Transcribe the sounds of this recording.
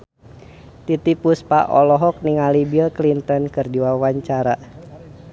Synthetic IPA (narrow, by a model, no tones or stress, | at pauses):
t̪it̪ipuspa̰ʔɔlɔɦɔk̚niŋalibilklint̪ɔnkɨrdiwawaɲt͡ʃaɾa